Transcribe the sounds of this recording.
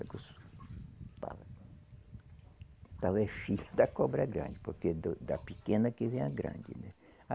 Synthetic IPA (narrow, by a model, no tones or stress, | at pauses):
ɡos | t̪a̰vɐ | t̪avɛfiʎɐd̪ɐkɔbɾɐɡɾɐ̰̃nd͡ʒɪpoɾked̪ʊd̪ɐpikẽnɐkɪvẽj̃ɐɡɾɐ̰̃d͡ʒɪ̰nɛ | a